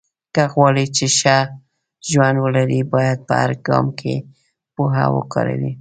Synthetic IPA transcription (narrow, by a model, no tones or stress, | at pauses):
kəɣwɑlit͡ʃeʃa | ʒwand̪wəlaɾibɑjad̪̚pə̰haɾɡɑ̰mkʰḛ | poɦa̰wə̰kɑɾa̰wi